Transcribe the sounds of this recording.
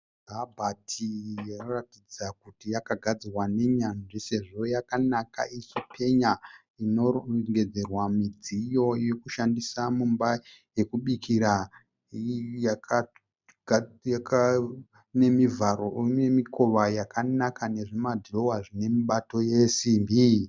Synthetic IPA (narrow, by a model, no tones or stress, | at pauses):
dʱabʱatʰijenoratid͡zakutijakaɡʱad͡zirwane̞ɲanʐise̞ʐo̞jakanaka̰ʔisipʰe̞ɲa | ino̞ŋɡe̞d͡ze̞rwamid͡zijo̞je̞kuʃandisamumbaje̞kuɓikʰiɾa | jaka | ɡka | ne̞mivaɾo̞emikʰo̞ʋajakʰanakane̞ʐemadʱlo̞waʐine̞miɓato̞jesimbi